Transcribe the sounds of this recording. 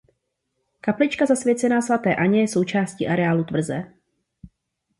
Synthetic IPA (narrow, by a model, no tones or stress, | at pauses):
kaplɪt͡ʃkazasvjɛt͡sɛnaːsvat̪ɛːʔaɲɛjɛso̞wt͡ʃaːscḭːʔaɾɛaːlut̪vr̩zɛː